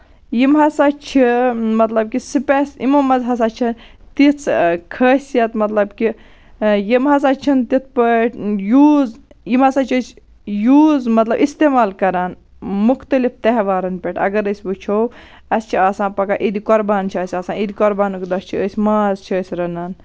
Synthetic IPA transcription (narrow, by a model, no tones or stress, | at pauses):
jimɦɐsaːt͡ʃʰimɐt̪lɐb̚kisipɛsimɐmːɐzɦɐs̬aːt͡ʃʰɐnt̪it͡sʰkʰəːsʲjɐt̪mɐt̪lɐbki | jimɦɐs̬aːt͡ʃʰɐnt̪it̪̚ʰpəʈʰjuːzjimɐsaːt͡ʃʰəs | juːzmɐt̪lɐbist̪eːmaːlkɐɾaːn | muxt̪ɐlift̪ɐɦʋaːɾɐnpʲeʈʰɐ̰ɡɐɾəsʲbɨt͡ʃʰow | ɐst͡ʃʰiaːsãːpɐkaʔid̪ikɔɾbaːnt͡ʃʰiɐsʲaːsãːid̪ikɔɾbaːnukd̪ɐst͡ʃʰiəːsʲmaːzt͡ʃʰiəːsʲɾɐnaːn